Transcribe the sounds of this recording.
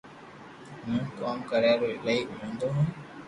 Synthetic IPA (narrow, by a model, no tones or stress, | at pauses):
mũːkaːmkəɾaːɾoːləiʔɦũːnd̪oːɦʊ̃ːn